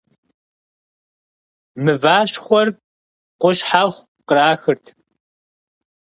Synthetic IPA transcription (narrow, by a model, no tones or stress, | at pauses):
mɨvaːɕχʷɔr | qʷʊʃħaχʷ | qəɾaːxɨrtʰ